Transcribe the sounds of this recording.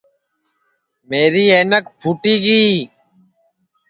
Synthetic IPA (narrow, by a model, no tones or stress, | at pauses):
meːɾiːeːnəkpʰuʈiːɡiː